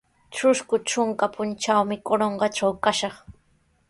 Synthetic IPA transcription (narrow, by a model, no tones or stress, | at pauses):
ʈ͡ʂʊʃkʊt͡ʃʊŋkapʊnt͡ʃawmɪkoɾoɴɢɑʈ͡ʂawkaʃɑχ